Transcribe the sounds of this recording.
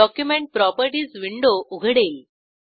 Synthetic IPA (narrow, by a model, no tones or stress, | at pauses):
ɔkjumẽɳʈ̚pɾɔpəɾʈiːsʋiɳɖoʔuɡʱəɽeːl